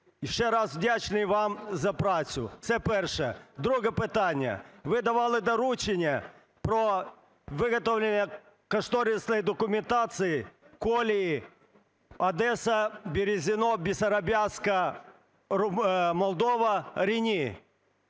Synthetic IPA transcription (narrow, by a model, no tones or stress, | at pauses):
jɪʂɛɾasvdʲat͡ɕnɨjvamzɐpɾasʲʊ̰t̪sɛpɛrʂɛəd̪ɾuɣɐpɪt̪anʲɪjə̰vɪd̪ɐʋalˠɨd̪ɐɾut͡ɕɪnʲɪjə | pɾo | vɨɣɐt̪ovlʲɪnjə | kɐʂt̪oɾʲɪsnəjd̪ɐkʊmʲɪnt̪at̪sɨjɪkolʲɪji | ɐd̪ɛsɐbʲɪɾʲɪzʲɪnobʲɪsɐɾɐbʲaskɐ | mɐlˠd̪ovɐɾʲɪnʲi